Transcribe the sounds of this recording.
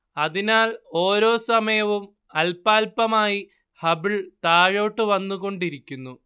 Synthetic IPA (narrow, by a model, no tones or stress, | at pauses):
ɐðinaːlo̞ːɾo̞ːsɐmɐjɐʋum | ɐlpaːlpɐmaːji | hɐbiɭt̪aːɻo̞ːʈːɨʋɐnːuɣo̞ɳɖiɾikʲːunːu